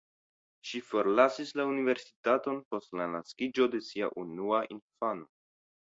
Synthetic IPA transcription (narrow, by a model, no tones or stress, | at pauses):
ʃifo̞ɾlasislaunive̞ɾsi̥tato̞npo̞stlanaskid͡ʒo̞de̞sia̰ʔunuaʔinfano̞